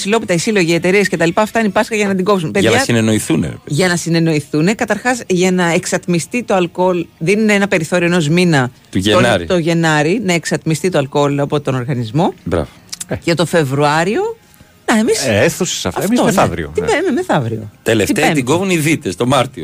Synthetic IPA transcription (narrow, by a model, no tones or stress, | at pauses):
silo̞pit̪ɐisilo̞ʝiet̪e̞ɾiesce̞t̪ɐlipɐːft̪ɐinipɐskɐʝɐnɐt̪iŋɡo̞psunpeɐnɐsineno̞iθunḛɾḛpðʝɐnɐsine̞no̞iθune̞kɐt̪ɐɾxɐzʝɐnɐeksɐt̪mist̪it̪o̞ɐlko̞lðinineenɐpe̞ɾiθo̞ɾioeno̞zminɐt̪uʝeonɾt̪o̞ʝe̞nɐɾinɐe̞ksɐt̪mist̪it̪oɐlko̞lɐpot̪o̞no̞ɾɣɐnizmo̞bɾɐ̰vocet̪o̞fe̞vɾuɐɾio̞ | nɐemiseθuse̥sɐ̰fɐefmit̪onɐvɾḭo̰iememeθɐvɾio̞̰t̪eleft̪itet̪iɡovuniðit̪est̪o̞mɐɾt̪io